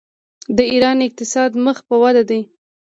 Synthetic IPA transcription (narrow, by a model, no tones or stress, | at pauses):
d̪əiɾɑnɪq̚t̪ɪsɑd̪məxpəwad̪ad̪aj